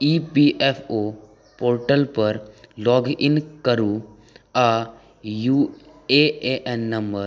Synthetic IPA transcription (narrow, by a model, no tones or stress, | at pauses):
ipiʔefʰo | poːɾʈəlpəɾlɔːɡɪnkəɾu | a | ju | eeʔenːɐ̃mbəɾ